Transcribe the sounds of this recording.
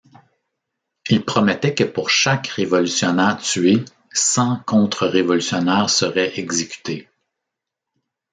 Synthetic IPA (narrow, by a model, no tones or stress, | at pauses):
ilpʁɔmɛt̪ɛkəpuʁʃakʁevɔlysjɔnɛːʁt̪ɥe | sɑ̃kɔ̃t̪χəʁevɔlysjɔnɛːʁsəʁɛʔɛɡzekʲy̥t̪ʰe